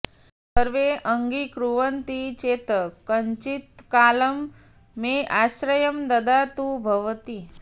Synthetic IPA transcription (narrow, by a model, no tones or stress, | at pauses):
səɾʋeʔəŋɡikɾuʋənt̪it͡ʃeːt̪əkəɲt͡ʃit̪kaːləmː | eʔaɕɾəjəmd̪ɐd̪at̪ubʱɐʋt̪i